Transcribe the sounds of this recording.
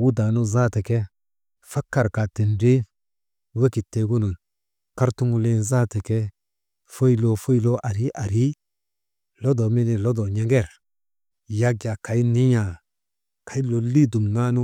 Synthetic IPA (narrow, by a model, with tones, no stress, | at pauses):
wu˦da˨no˦za˦te˨ke˦ | fa˦kːa˨ɾka˨ti˨nde˦ | we˦ki˨tːe˨ɡu˦nu˨ | ka˦ɾtu˦ŋu˦le˦nza˦te˨ke˦ | fo˦i˦lo˨fo˦i˦lo˦ʔa˨ɾi˦ʔa˨ɾi˦ | lo˦do˨mi˦ni˨lo˦do˨ɲe˨ŋɡe˦˨ɾ | ja˦ɡa˨ka˨i˦ni˦ɲa˨ | ka˨i˦lo˨li˦du˨mna˦nu˦